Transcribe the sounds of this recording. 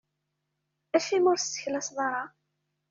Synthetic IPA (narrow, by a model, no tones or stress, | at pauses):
æʃimʊɾst͡sːə̥çlæsðˤɑɾˤɑ